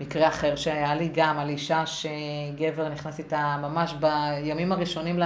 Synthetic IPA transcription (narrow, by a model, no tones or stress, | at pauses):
mikʁeaχe̞ʁʃeajaliɡamaliʃaʃeɡe̞ve̞ʁniχnasitamamaʃbajamimaʁiʃo̞niml